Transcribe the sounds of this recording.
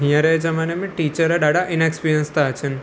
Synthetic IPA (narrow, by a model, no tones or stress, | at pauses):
ɦijãɾɛed͡ʒəmanemẽʈit͡ʃəɾaɖaɽaʔɪnaekspiɾjənst̪aɦət͡ʃʰən